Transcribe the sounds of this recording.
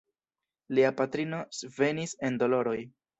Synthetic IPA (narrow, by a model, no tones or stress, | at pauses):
liapatɾino̞sve̞nise̞ndo̞lo̞ɾo̞j